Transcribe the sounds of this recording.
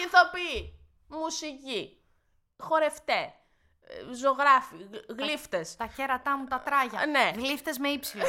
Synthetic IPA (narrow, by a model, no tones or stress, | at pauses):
iθopi | musici | xo̞ɾe̞ft̪e | zoɣɾɐfiɣlift̪est̪ɐçeɾɐt̪ɐmut̪ɐt̪ɾɐʝɐneɣlift̪ezmeipsilo